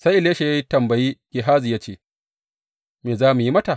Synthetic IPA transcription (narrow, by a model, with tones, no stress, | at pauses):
sa˦jʔɪ˨leː˦ʃe˨ja˦ji˦tɐ˨mbɐ˨jiː˦ɡ̥ʲɪ˨ɦaː˦zi˨jaː˦t͡ʃeː˦ | meː˨zaː˦mu˨ji˦mɐ˦ta˨